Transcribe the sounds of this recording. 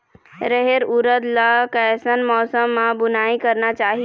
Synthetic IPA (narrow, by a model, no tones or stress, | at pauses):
ɾəɦeɾuɾəd̪lakəsənmɔːsəmːãbʊnaːikəɾnat͡ʃaːɦi